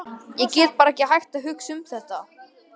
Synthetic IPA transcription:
jɛcɛːt̪̚paːɾaɛcɪɦajxt̪aɦʏksʏmθɛht̪a

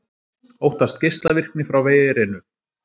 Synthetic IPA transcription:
owht̪ast̪̚cejst̪lavɪr̥knɪfɾawveːjðɪɾɪnʏ

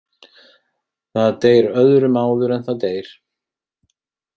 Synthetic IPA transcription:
θaðt̪eːjɾœðɾʏmaːwðʏɾɛnθaðt̪eːjɾ̥

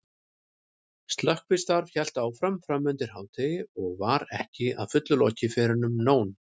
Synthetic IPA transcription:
st̪lœhkvɪst̪aɾvçɛl̥t̪aːwfɾamfɾamːʏnt̪ɪɾ̥hɦaːwt̪ʰɪjɔɣvaɾɛhcɪa̰ðfʏt̪lʏlɔːcɪfɛːɾʏnʏmnoːwn

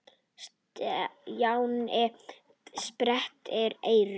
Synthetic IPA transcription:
s | jawnɛ | spɾɛht̪ɛɾeːjɾ

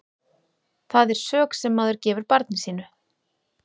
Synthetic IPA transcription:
θaðɛɾ̥sœːksɛmːaːðʏɾ̥cɛːvʏɾpaɾt̪nɪsiːnʏ

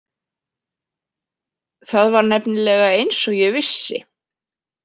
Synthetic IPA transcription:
θaðvaɾnɛpnɪlɛɣaejnsɔɣjɛvɪsːɪ̰

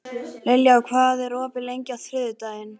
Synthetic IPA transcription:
lɛljakʰvaːðɛɾɔːpɪlejɲcaθɾɪːðʏt̪aːjɪn

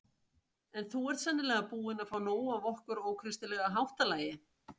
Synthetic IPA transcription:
ɛnθuɛɾ̥t̪sɛnːɪlɛːɣapuːɪnaðfaːwnoːwavɔhkʏɾɔɣkʰɾɪst̪ɪlɛːɣaɦawht̪alaːjɪ

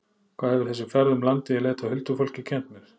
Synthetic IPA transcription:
kʰv̥aːðhɛvɪ̥ɾ̥θɛsːʏfɛɾðʏmlant̪ɪɛleːt̪ʰahʏlt̪ʏfol̥cɪcʰɛnt̪mɛɾ̥

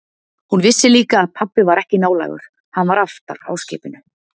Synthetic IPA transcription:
hunvɪsːɪliːkaːðpʰapːɪvaɾɛhcɪnaːwla̰ːjɣʏ̰ɾ̥ | hanːvaɾaft̪a̰ɾa̰ːwscɪ̰ːpɪnʏ

